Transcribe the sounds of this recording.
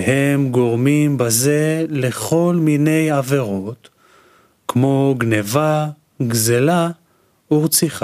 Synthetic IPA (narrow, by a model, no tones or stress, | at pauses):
hemɡo̞ʁmimbaze̞leχo̞lmine̞jave̞ʁo̞t̪ | kmo̞ɡneva | ɡzela | uʁt͡siχa